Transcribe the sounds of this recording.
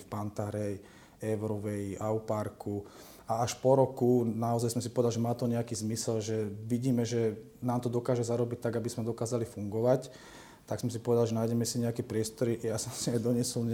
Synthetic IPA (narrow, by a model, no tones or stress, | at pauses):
fpant̪aɦɾɛj | ɛʊɾɔʋɛjiʔaupaɾku | aaʃpɔɾɔkunaɔzajsɔmsipɔʋɛd̪alʒɛmaːt̪ɔɲɛakiːzmisɛlʒɛʋiɟiːmɛʒɛ | naːmt̪ɔd̪ɔkaːʒɛzaɾɔbic̚t̪aɡabizmɛd̪ɔkaːzalifuŋɡɔʋac | t̪aksɔmsipɔʋɛd̪alʒɛnajɟɛmɛsiɲɛakɛpɾɪɛst̪ɔɾijasɔmsiajd̪ɔɲɪɛsɔlɲ